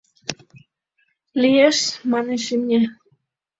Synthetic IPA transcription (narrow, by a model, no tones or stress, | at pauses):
lʲijeʃmɑneʃimʲe